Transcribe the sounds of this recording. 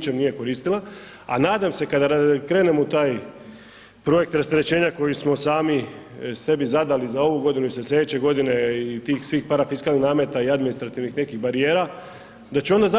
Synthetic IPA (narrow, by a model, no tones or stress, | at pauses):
t͡ʃemnije̞ko̞ɾiːst̪ilˠa | a̰naːd̪amse̞kad̪aakɾeːnemout̪aːj | pɾo̞je̞k̚t̪ɾast̪eɾet͡ɕe̞ːɲako̞jismo̞saːmise̞bizad̪alizao̞ʋuɡo̞d̪inuiseslʲe̞d̪et͡ɕe̞ɡo̞d̪ine̞it̪iːxsʋiːxpaɾafiskalnixnaːme̞t̪aiad̪minist̪ɾat̪iʋnixne̞kiɣbaɾie̞ːɾa | d̪at͡ɕeo̞nd̪aza